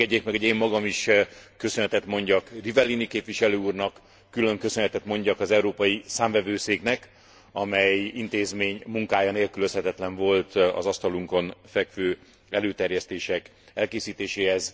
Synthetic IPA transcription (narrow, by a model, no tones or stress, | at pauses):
ɛɟːeːkmɛɡoɟeːmːɒɡɒmiʃkø̞sønɦɛt̪ɛt̪mo̞ɲɟɒkrivɛlːinikeːpʋiʃɛløːuːrnɒkː | ylø̞ŋkø̞sønhɛt̪ɛt̪mo̞ɲɟɒkɒzɛuɾoːpɒjisaːɱvɛvøːseːknɛk | ɒmɛjint̪eːzmeːɲmuŋkaːjɒneːlkyløshɛt̪ɛt̪lɛɱvo̞lt̪ɒ̰zɒst̪ɒluŋko̞nfɛkʋøː | ɛløːt̪ɛrjɛst̪eːʃɛk | ɛlkeːsiːt̪eːʃeːhɛz